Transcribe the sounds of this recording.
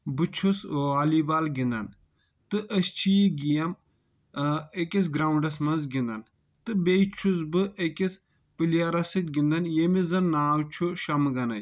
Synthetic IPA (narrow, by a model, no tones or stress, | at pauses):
bɨt͡ʃʰusʋaːlibaːlɡind̪ɐn | t̪ɨʔɐst͡ʃʰiiɡijɐm | ekis̬ɡɾaːuɳɖɐsmɐnzɡind̪ɐn | t̪ɨbet͡ʃʰuzbɨʔekʲis | pilijaɾɐsɨt̪̚ʲɡind̪ɐnjemizɐnːaːwt͡ʃʰuʃɐmɡɐnɐj